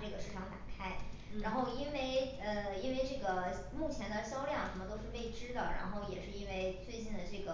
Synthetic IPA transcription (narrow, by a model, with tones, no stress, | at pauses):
ʈ͡ʂɤ˥˩ɡə˩ʂɻ̩˥˩ʈ͡ʂʰɑ˧˥ŋt̪a˨˩kʰa˥ɪɻa˧˥nxo˥˧ʊi˥nwe˥˩ɪ | ə˥˧i˥nwe˥˧ɪʈ͡ʂɤ˥˩ɡə˩ | mu˥˩t͡ɕʰjɛ˧˥nd̪ə˧ɕjɑ˥ʊljɑ˥˩ŋʂə˧˥nmə˧t̪o˥ʊʂɻ̩˥˧pe˥˩ɪʈ͡ʂɻ̩˥d̪ə˨ɻa̰˧˥nxo˥˩ʊjɛ˨˩ʂɻ̩˥˩˧i˥nwe˥˧ɪt͡swe˥˧ɪt͡ɕi˥˩nd̪ə˩ʈ͡ʂɤ˥˩ɡə˩